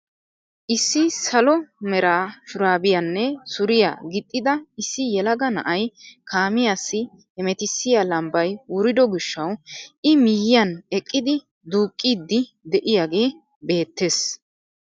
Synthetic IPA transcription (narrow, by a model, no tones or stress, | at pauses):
ʔɪsːɪsɐlɔmɛɾaːʃʊɾaːbɪjɐnːɛsʊɾɪja̰ɡɪt̪ʼːɪd̪ɐɪsːɪjɛlɐɡɐnɐ̰ʔɐjkaːmɪjaːsːɪ | ɛmɛt̪ɪsːɪjalɐmbɐjwʊɾɪd̪ɔɡɪʃːɐwɪmɪjɪjɐnɛkʼːɪd̪ɪ | d̪uːkʼːiːd̪ːɪ | d̪ɛʔɪjaːɡe̞ː | be̞ːt̪ːe̞s